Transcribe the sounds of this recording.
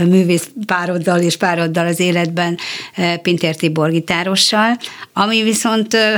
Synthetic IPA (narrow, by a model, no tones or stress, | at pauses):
myːveːspaːɾo̞d̪ːɒleːʃpaːɾo̞d̪ːɒlɒzeːlɛd̪bɛnpint̪ert̪ibo̞rɡit̪aːɾo̞ʃːɒlɒmiviso̞nt̪